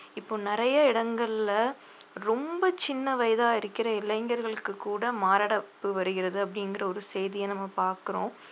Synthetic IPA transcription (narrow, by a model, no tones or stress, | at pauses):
ɪpːoːnɪɾɐjɐɪɽɐŋɡɐɭɪlɐ | ɾɔmbɐt͡ʃɪnːɐʋɐjɐðaːɪɾɯkːɪɾɐɪlːɐɪŋɡɐɾɣɐɭɯkːɯkːuːɽɐmaːɾaɽɐpːɯʋɐɾɯɣɪɾɐðɯɐp̬ːɐɽɪnɡɪɾɐɔɾɯsejðɪjɐnɐmːɐpaːɾkɯɾõː